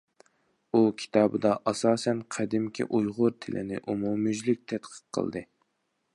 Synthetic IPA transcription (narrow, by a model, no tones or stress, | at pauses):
ukʲʰi̥t̪ʰɑːbɨd̪ɑʔɑsɑːsɛnqʰæd̪ɪmkʲʰḭʔujʁʊɾt̪ʰɪlʔɪ̰nɪ̰ʔumumyd͡ʒlɪk̚ʲt̪ʰɛt̪qʰə̥qqʰːə̰l̰ˠd̪ɨ